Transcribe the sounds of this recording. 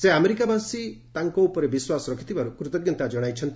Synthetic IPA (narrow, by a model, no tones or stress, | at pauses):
seameɾikabasit̪aŋkɔupɔɾebiswasɔɾɔkʰit̪ʰibaɾukɾut̪ɔɡjɔnt̪ad͡ʒɔɽ̃ajt͡ʃʰɔnt̪